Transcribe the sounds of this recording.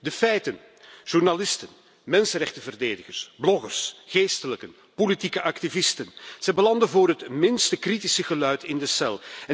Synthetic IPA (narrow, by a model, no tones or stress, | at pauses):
dəfɛjtən | ʒ̥urnalɪstən | mɛnsənrɛxtəvərdeːdəɣərsblɔɣərsxeːstələkən | politikəʔɑktivɪstənz̥ɛjbəlɑndəvʊːɾɦətmɪnstəkritisəɣəlœɥtɪndəsɛlˠɛ